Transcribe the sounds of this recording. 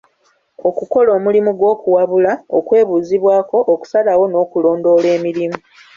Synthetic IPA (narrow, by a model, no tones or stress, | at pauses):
o̞kuko̞lo̞ːmulimuɡwo̞ːkuwaβulaokwe̞ːβuːziβwaːko̞ʔoku̥salawo̞no̞ːkulo̞ːndo̞ːle̞ːmiɾimu